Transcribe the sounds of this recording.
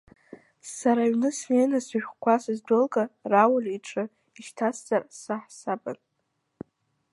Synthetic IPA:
saɾaɥnɨsnenasɨʒʲᶣkʷʰasɨzdʷɨlɡʼarawaliʈ͡ʂʰʼɨ | iʃtʰasʰt͡sʼarsaħsaba̰n

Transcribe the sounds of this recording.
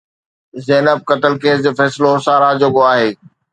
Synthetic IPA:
zɛːnəb̚kɐt̪əlkeːsd͡ʑoːfɛːsɪlosaːɾad͡ʑoɡoaːɦeː

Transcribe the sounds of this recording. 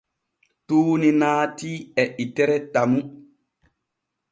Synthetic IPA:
tuːninaːtiɛʔitɛɾɛtamu

